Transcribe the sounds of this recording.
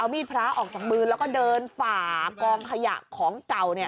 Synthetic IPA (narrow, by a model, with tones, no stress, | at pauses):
ʔa˧wmiː˧˥˩pʰɾaː˦˥ʔɔː˨˩k̚t͡ɕaː˨˩k̚mɯː˧lɛː˦˥wkɔː˥˩dɤː˧nfaː˨˩kɔː˧ŋkʰa˧ja̰˨˩ʔkʰɔː˩˦ŋt͡ɕa˨˩wni˥˩ɐ